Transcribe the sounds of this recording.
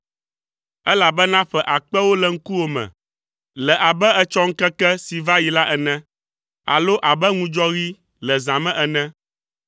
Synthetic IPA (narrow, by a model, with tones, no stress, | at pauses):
ɛ˦la˨bɛ˦nã˦ɸɛ˨ʔa˨k͡pɛ˦wo˦lɛ˨ŋ̩˦ku˦wo˦mɛ̰̃˨ | lɛ˨ʔa˨bɛ˦ɛ˦t͡ʃɔ˦ŋ̩˦kɛ˦kɛ˦si˨va˦ji˨la˦ʔɛ˨nɛ̃˦ | a̰˨lo˦ʔa˨bɛ˦ŋũ˦d͡ʒɔ˦ɣi˦ | lɛ˨zã˨mɛ̃˦ʔɛ˨nɛ̃˦